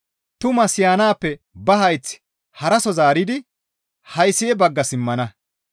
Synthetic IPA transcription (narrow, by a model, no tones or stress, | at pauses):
t̪ʊmɐsɪjaːnaːpːɛ | bɐɦɐjt͡sː | hɐɾɐsɔzaːɾɪd̪ɪ | hɐjsɪjɛbɐɡːɐsɪmːɐnɐ